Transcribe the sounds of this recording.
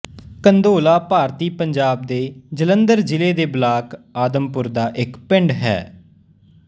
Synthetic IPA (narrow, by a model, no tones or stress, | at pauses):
kənd̪oːlaːpaːɾt̪iːpəɲd͡ʒaːb̚d̪eːd͡ʒələnd̪əɾd͡ʒɪleːd̪eːblaːkaːd̪əmpʊɾd̪aːʔɪkpɪ̃ɳɖɦɛ̰ː